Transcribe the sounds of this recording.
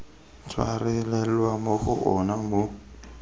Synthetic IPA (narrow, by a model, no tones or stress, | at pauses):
t͡sʰwa̰rɛlɛlwamoɣʊʔɔnamo